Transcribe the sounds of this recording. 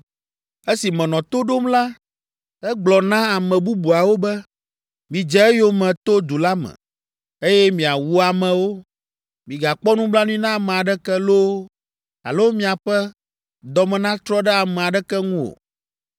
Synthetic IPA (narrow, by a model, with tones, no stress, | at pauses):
e˦si˨mɛ̃˨nɔ̃˨t̪o˦ɖo˦mla˦ | ɛ˦ɡ͡blɔ˨nã˦a˨mɛ̃˨bu˦bu˨a˨wo˦bɛ˦ | mĩ˨d͡ʒɛ˦ɛ˦jo˦mɛ̃˨t̪o˦d̪u˨la˦mɛ̰̃˨ | e˦jɛ˦mĩ˨a˨wu˨a˨mɛ̃˨wo˦ | mĩ˨ɡa˨k͡pɔ˦nũ˦bla˦nũ˦i˦nã˦˨mɛ̃˨a˨ɖɛ˦kɛ˦lo˦ | a̰˨lo˦wo˦mĩ˦a˨ɸɛ˦ | d̪ɔ˨mɛ̃˨nã˦t̪ɾɔ˦ɖɛ˦a˨mɛ̃˨a˨ɖɛ˦kɛ˦ŋũ˦o̰˨